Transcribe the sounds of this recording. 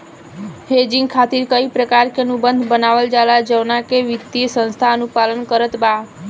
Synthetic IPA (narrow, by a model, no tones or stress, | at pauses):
hed͡ʒĩŋɡkʰat̪iɾkəipɾəkaɾkeənubənd̪ʱbənaʋəld͡ʒalad͡ʒəʋnakeʋɪt̪iəsə̃nst̪ʰaənupalənkəɾət̪ba